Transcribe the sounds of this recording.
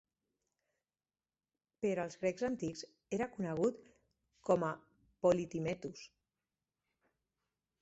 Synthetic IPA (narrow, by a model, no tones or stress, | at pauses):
peɾoaːlˠzɣɾekzant̪ikz | eɾakunəɣ̞ut̪ | kɔma | polit̪imɛt̪us